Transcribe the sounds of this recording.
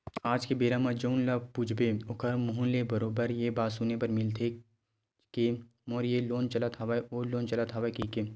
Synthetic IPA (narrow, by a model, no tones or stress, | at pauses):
aːd͡ʒkebeːɾamãd͡ʒoːnlapuːd͡ʒʰʱbeʊkʰəɾmʊɦʊ̃lebəɾoːbəɾjebaːsunepɐɾmɪlt̪ʰe | ke | moːɾjeloːnt͡ʃɐlat̪ɦaʋaeoːloːnt͡ʃɐlat̪ɦaːʋakiːke